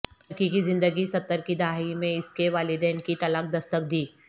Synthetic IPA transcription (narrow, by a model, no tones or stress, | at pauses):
ɾkikizɪ̃nd̪əɡisɐt̪ːəɾkid̪aɦaimẽɪskeʋaːlɪd̪ɛːnkit̪ɐlək̚d̪ɐst̪ək̚d̪iː